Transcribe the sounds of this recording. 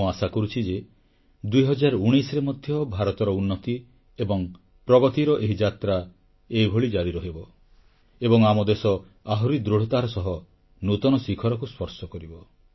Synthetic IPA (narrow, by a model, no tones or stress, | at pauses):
uasakɔɾut͡ʃʰid͡ʒe | d̪ujɦɔd͡ʒaɾɔuɽ̃isɾemɔd̪ʱjɔbʱaɾɔt̪ɔɾɔunːɔt̪i | ebɔŋ | pɾɔɡɔt̪iɾɔʔeɦid͡ʒat̪ɾa | eibʱoɭid͡ʒaɾiɾɔɦebɔ | ebɔŋamɔd̪esɔ | aɦɔɾid̪ɾuɽ̤ɔt̪aɾɔsɔɦɔ | nut̪ɔnɔsikʰɔɾɔkuspɔɾsɔkɔɾibɔ